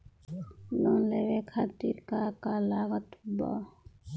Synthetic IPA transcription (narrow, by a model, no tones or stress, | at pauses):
lɔnleɾekʰat̪iɾkakalaɡət̪bɔ̰